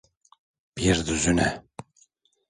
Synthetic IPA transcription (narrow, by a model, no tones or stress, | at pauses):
b̥iɾd̪yzynɛ